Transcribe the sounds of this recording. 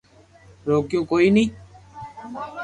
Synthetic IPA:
ɾoːkjõːkoːiːnĩː

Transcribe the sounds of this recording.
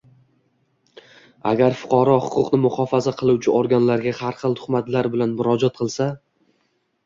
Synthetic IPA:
a̰ɡʲaɾfʊ̥qʰɒɾɒhʊqʊqnɪmʊχɒfazaqʰɨlˠuwt͡ʃʰɪʔoɾɡʲanlaɾɡʲahaɾχɨlˠt̪ʰʊ̥χmat̪laɾbɪlanmʊɾɒd͡ʒɒt̪̚qʰɨlˠsa

